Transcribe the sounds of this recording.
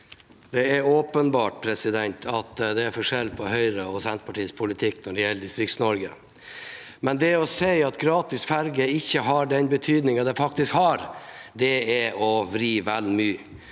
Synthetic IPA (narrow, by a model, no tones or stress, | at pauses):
d̪̥ɛæɾoːpənbɑːʈpʰɾɛsɪd̪ɛnt̪ʰɑt̪d̪ɛæɾfɔʂɛlpʰɔhœʏɾəɔsɛnt̪̚pɑʈʰiːspʰʊlɪt̪ʰɪkːnɔɖɛjɛlːəd̪ɪst̪ɾɪk̪snɔɾɡə̰ | mɛnd̪ɛɔsæɪɑt̪ɡɾɑːt̪ɪsfæɾɡəɪçːəɦɑɖɛnbət̪ʰyːd̪nɪŋɑd̪ɛfɑk̚t̪ɪskhɑɾd̪ɛɛɔʋɾiːʋɛlmyː